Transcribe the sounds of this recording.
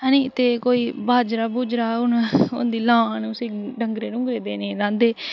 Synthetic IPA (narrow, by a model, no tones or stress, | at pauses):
ɛːniːt̪eːkoːiːbaːd͡ʒɾaːbuːd͡ʒɾaːʊnʊ̰nd̪iːlãːnũːsiɖəŋɡɾeːnʊ̃ŋɡɾeːd̪eːneːɾãːnd̪eː